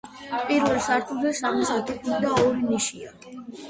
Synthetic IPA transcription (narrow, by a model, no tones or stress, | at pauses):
pʼiɾvɛlsaɾt̪ʰud̪ɛsamisat̪ʰɛkid̪aɔɾiniʃia